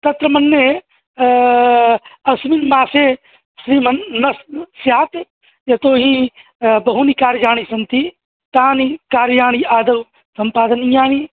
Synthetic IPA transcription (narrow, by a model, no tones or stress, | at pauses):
t̪ɐt̪ɾɐmɐnːe | ɐsminmaːse | ʃɾiːmɐnnɐssjaːt̪ | jɐt̪oːɦĩ | bɐɦunikaːɾd͡ʒaːɽ̃isɐnt̪i | t̪aːnikaːɾjaːɳ̃iaːd̪ɐw | sɐmpaːd̪ɐnijaːni